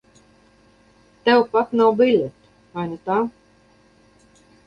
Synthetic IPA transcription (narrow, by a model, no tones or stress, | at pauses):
t̪ɛwpat̪nawbilʲut̪ | ajnɨt̪aː